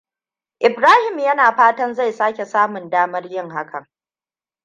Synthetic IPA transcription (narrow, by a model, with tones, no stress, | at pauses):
ʔɪ˨bɾaː˦hɪ˨mjɐ˦naː˨ɸaː˦tɐ˦nza˦˨jsaː˦kʲe˨saː˦mʊ˨ndaː˦mɐ˦rjɪ˦ŋɦa˦kʰɐ˨ŋ